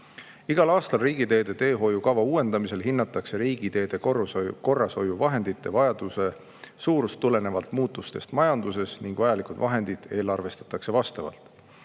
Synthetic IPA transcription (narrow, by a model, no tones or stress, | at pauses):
iɡ̥ɑlɑːst̪ɑlriːɡ̥id̪e̞ːd̪̥e̞t̪e̞ːɦo̞jukɑvɑuːe̞nd̪̥ɑmise̞lɦinːɑt̪ːˑɑkse̞ɾiːɡ̥id̪e̞ːd̪̥e̞ko̞rːɑso̞juvɑɦe̞nd̪̥it̪ːe̞vɑjɑd̪̥use̞ | suːɾust̪ːule̞ne̞vɑlt̪muːt̪ˑːust̪e̞̰st̪mɑjɑnd̪̥use̞sniŋɡ̥vɑjɑlikud̪vɑɦe̞nd̪̥id̪̥e̞ːlɑrve̞st̪ɑ̥t̪ːˑɑkse̞vɑst̪ɑvɑ̰lt̪ˑ